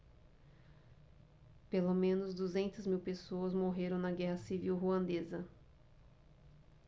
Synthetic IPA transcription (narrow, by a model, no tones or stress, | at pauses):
pelomẽnʊzd̪uzẽnt̪ɐzmiwpesoɐzmoɦeɾɐ̃w̃nɐɡɛɦɐsiviwɦuɐ̃nd̪ezɐ